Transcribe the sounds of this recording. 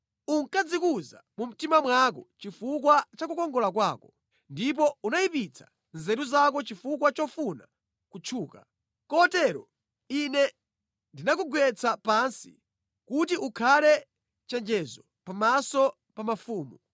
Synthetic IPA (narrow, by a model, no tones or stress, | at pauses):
uŋkad͡zikuza̰mum̩timamwak̬ɔt͡ʃifukwat͡ʃakukɔŋɡɔlakwaːkɔ | ndip̬ɔunaipit͡sʰḁ | nzɛɾuzakɔt͡ʃifuk̬wat͡ʃɔfuna | kut͡ʃʰuːka | kɔtɛɾɔ | inɛ | ndinakuɡwɛt͡sʰapansḭ | kutiʔukʰalɛ | t͡ʃɛnd͡ʒɛzɔ | pamasɔ | pamafuːmu